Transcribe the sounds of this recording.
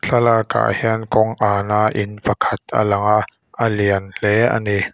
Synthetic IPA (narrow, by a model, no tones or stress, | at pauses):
ɬʰalaka̰ːʔhɛənkɔŋʔaːnaːʔɪnpakʰat̪̚ʔa̰laŋaʔ | ʔəliənlɛʔa̰ni